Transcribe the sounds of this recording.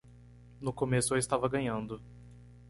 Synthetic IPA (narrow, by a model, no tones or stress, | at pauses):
nʊkomesʊaɪst̪avɐɡɐ̃ɲɐ̃nd̪ʊ